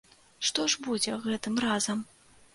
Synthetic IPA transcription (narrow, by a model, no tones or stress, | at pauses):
ʂt̪ɔʐbud͡zʲɛɣɛt̪ɨmrazɐm